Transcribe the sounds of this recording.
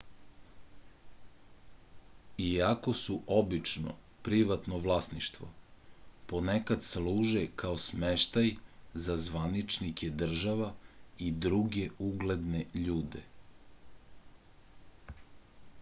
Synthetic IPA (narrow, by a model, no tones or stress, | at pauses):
iako̞suʔo̞bit͡ʃno̰ | pɾiʋat̪noʋlˠasniʃt̪ʋo̞̰ | po̞nekad̪sluːʒekaosmeʃt̪ajzazʋanit͡ʃnike̞d̪r̩ʒaʋaid̪ɾuɡe̞uɡled̪neʎuːd̪e